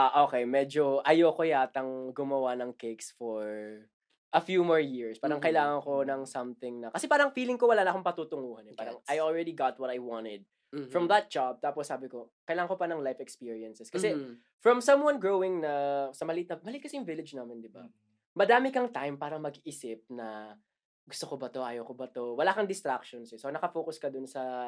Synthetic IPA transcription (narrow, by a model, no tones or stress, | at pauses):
ʔaʔokejmɛːd͡ʒoʔɐjokojaːt̪ɐŋɡʊmɐwanɐŋkeksfɔɹ | ʔɐfjumɔɹjɪɹspaːɾɐŋkɐʔɪlaːŋɐŋkonɐŋsɐmθɪŋnɐkɐsɛpaːɾɐŋfiːlɪŋkowɐlaːnɐkoŋpɐt̪ut̪ʊŋuːhɐnɛpaːɾɐŋʔajɔlɹɛd̪iɡat̪̚wɐt̪ɐjwɑ̃ntɛd̪̚ | fɹɔmðɐt̪̚d͡ʒ̥ab̚t̪aːpɔsːaːbɪkokɐʔɪlaːŋɐŋkopɐnɐŋlajfɛkspiɹiɐnsɛskɐsɛ | fɹɔ̃msɐ̃mwɐ̃nɡɹowɪ̃ŋnɐsɐmɐlɪʔɪt̪nɐmɐlɪɪt̪̚kɐsɛjʊŋvɪlɐd͡ʒnaːmɪnd̪ɪba̰ | mɐd̪aːmɪkɐŋt̪ajmpaːɾɐŋmɐɡiːsɪp̚nɐ | ɡʊst̪okobɐt̪o̞ʔaːjɐwkobɐt̪owɐlaːkɐŋd̪ɪst̪ɾakʃɔnsɛsonɐkɐfo̞ːkʊskɐd̪ʊnsɐ